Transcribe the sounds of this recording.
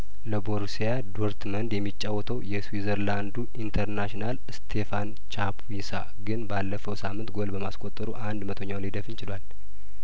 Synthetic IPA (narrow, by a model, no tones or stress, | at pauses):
ləboɾsijad̪oɾt̪mənd̪jɛmːit͡ʃʼːawːɔt̪ʰəwjɛswizəɾland̪uʔint̪ʰəɾnaʃinal | st̪ʰe̞fan | t͡ʃapʰwisa̰ | ɡɨnbalːəfəwsamːɨnt̪ɡo̞lbəmaskʼot̪ʼːəɾuʔand̪mət̪ʰoɲːawnlid̪əfɨnt͡ʃɪlal